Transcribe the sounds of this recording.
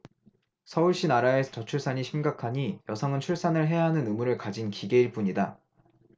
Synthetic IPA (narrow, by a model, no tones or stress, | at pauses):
sʰʌuɭɕ͈inaɾaesʰʌt͡ɕʌt͡ɕʰuɭs͈aɲiɕʰimɡakʰaɲijʌsʰʌŋɯnt͡ɕʰuɭs͈anɯɭɦe̞jaɦanɯnɯmuɾɯɭkad͡ʑinkiɡe̞iɭp͈uɲida